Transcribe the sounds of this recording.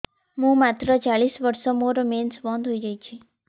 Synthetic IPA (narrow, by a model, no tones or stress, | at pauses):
ɦũmat̪ɾət͡ʃaɭisʋəɾsomoɾomensbɔ̃nd̪ʱɦojd͡ʒəjt͡ʃʰi